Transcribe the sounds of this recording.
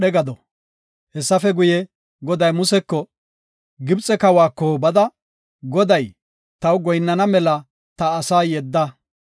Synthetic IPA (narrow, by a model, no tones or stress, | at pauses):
ɗɛɡɐd̪ɔ | hɛsːɐfɛɡʊjɛ | ɡɔd̪ɐjmʊsɛkːɔ | ɡɪbt͡sʼɛkɐwaːkːɔbɐd̪ɐ | ɡɔd̪ɐj | t̪ɐwɡɔjnːɐnɐmɛlɐ | t̪ɐːsaːjɛd̪ːɐ